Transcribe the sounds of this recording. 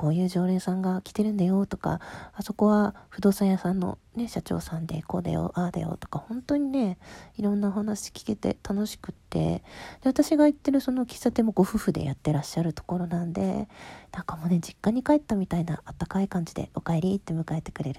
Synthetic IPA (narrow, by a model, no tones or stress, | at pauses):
ko̞ːjɯ̟ːʑo̞ːɾẽ̞ːsãŋɡakʲi̥t̪e̞ɾɯ̟̃nd̪ajo̞t̪o̞ka̰ːso̞ko̞βaɸɯ̟d̪o̞ːsajasãnːo̞̰ne̞ɕat͡ɕo̞̰ːsãnd̪e̞̰ko̞ːd̪a̰jo̰ʔad̪a̰jo̰t̪o̞̥kahõ̞nt̪o̞ɲ̟ine̞iɾõ̞nːaohanaɕi̥kʲi̥ke̞t̪e̞̰t̪ano̞ɕi̥kɯ̟t̪ːe̞̰d̪̥e̞βat̪aɕiɡait̪ːe̞ɾɯ̟so̞no̞kʲi̥sat̪e̞mo̞ɡo̞ɸɯ̟ɸɯ̟d̪e̞̰jʔat̪ːe̞ɾaɕːaɾɯ̟t̪o̞̥ko̞ɾo̞nãnd̪e̞̰nãŋkamo̞ːne̞d͡ʑikːãɲ̟ikaet̪ːamʲit̪aina̰ːt̪ːakaikãɲ̟d͡ʑid̪e̞̰o̞kae̞ɾʲit̪ːe̞mɯ̟kae̞t̪e̞̥kɯ̟ɾe̞ɾɯ̟